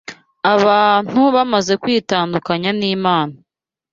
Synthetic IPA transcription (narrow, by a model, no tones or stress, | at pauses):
aβaːn̥huβamaze̞kwiːtaːndukaɲaniːmaːna